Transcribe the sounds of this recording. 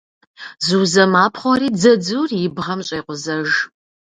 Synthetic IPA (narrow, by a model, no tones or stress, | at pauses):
zɨwzɐmaːpʰχʷɔɾiːd͡zɐd͡zuːrjɪbʁɐmɕʼɐjqʷʊzɐʒ